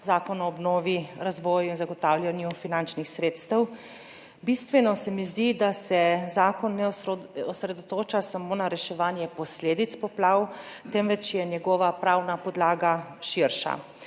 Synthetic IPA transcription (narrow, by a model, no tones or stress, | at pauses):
zaːkɔnɔːbnɔːʋiɾazʋɔːjuinzaɡɔt̪awlʲjanjufinant͡ʃnixsɾeːt̪st̪əw | bist̪ʋɛnɔsɛmizd̪id̪asɛzaːkɔnːɛɔsɾɛd̪ɔt̪oːt͡ʃasamoːnaɾɛʃɛʋaːnjɛpɔsleːd̪it̪spɔplaːwt̪ɛmʋɛt͡ʃjɛnjɛɡɔːʋapɾaːwnapɔd̪laːɡaʃiɾʃa̰